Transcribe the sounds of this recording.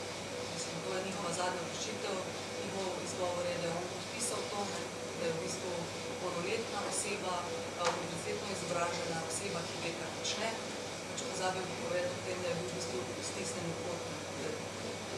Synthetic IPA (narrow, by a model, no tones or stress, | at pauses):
mmislimt̪oːjɛnixɔʋazaːd̪nʲaɾɛʃit̪ɛw | nixɔwizɡɔːʋɔɾjɛd̪ajɛonpɔt̪piːsawt̪onɛ | d̪ɐjɛwbiːst̪ʋu | pɔwnɔleːt̪naʔɔseːba | uniɾt̪eːt̪nɔizɔbɾaːʒɛnaɔseːbakiʋeːk̪aɾpɔt͡ʃnɛ | pat͡ʃɛpɔzaːbibpɔʋɛd̪ɔt̪eːmd̪ɐjɛbiwbist̪ʋu | st̪isnɛnikot̪np | eɾni